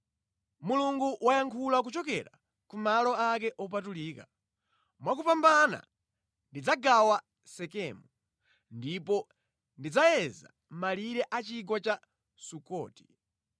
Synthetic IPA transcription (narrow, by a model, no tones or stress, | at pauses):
muluŋɡuwajaŋkʰulak̬ut͡ʃɔkɛ̰ɾa | kumalɔakɛʔɔp̬atuliːka | mwakupambana̰ | ndid͡zaɡawa | sɛkɛːmu | ndipɔ | ndid͡zajɛza̰ | m̩maliɾɛʔat͡ʃiɡwat͡ʃa | sukɔ̰ːti̥